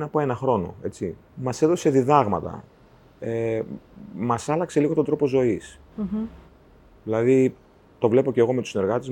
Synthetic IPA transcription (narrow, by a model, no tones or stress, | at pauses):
nɐpoe̞nɐxɾo̞no̞̰e̞t͡si | mɐse̞ðo̞se̞ðiðɐɣmɐt̪ɐ̰ | e | mɐsɐlɐkse̞liɣot̪ond̪ɾo̞po̞zo̞is | ðilɐði | t̪o̞vle̞po̞ceɣo̞met̪u̥sine̞ɾɣɐt̪ez